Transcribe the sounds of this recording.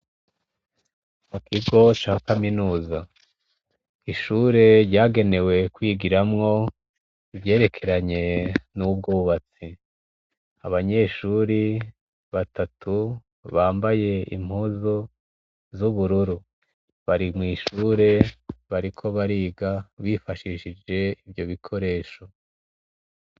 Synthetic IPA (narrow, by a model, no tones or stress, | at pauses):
mukiɡo̞t͡ʃakaminuːza | iʃuːɾe̞ɾɟaːɡe̞ne̞we̞kwiːɡiɾamŋo̞ | ivje̞ːɾe̞kʰe̞ɾaɲe̞nub̚ɡoːβat͡si | aβaɲe̞ːʃuːɾi | βatatʰu | βaːmbaje̞ḭm̥huːzo | zuβuɾuɾu | βaɾimŋiːʃuːɾe̞βaɾikʰo̞βaɾiːɡaβifaʃiʃid͡ʒe̞iβjo̞βikʰo̞ɾe̞ːʃo̞